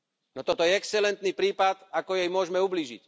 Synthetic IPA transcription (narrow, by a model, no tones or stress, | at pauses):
nɔt̪ɔt̪ɔjɛɛksɛlɛnt̪nipɾiːpat̪akɔjɛjmʊɔʒmɛubliːʒḭc